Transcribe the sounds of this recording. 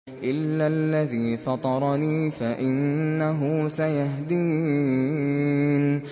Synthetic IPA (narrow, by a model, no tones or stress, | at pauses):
ʔɪlːalːaðiːfɑt̪ˤɑɾˤɑniːfaʔɪnːaɦʊsajaɦd̪iː | n